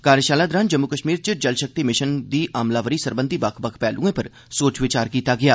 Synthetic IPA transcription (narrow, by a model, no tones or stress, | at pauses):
kaːɾjəʃaːlaːd̪ɾãːnd͡ʒəmːukəʃmiːɾt͡ʃəd͡ʒəlʃək̚t̪iːmɪʃənd̪iːʔaːmlaːʋəɾiːsəɾbənd̪ʱiːbəkʰbəkʰpɛːlʔṵ̃ːẽːpəɾ | soːt͡ʃʋɪt͡ʃaːɾkiːt̪aːɡɪjaː